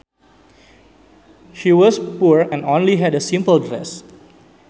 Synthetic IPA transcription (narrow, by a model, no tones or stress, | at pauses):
ʃiwɔspuɹɛ̃nõnliɦɛdəsĩmpəldɾɛ̰s